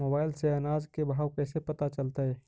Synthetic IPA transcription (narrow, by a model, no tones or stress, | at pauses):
oːbaːɪlseɐnaːd͡ʒkebʱaːwkɛːsepɐt̪at͡ʃəlt̪aɦɛː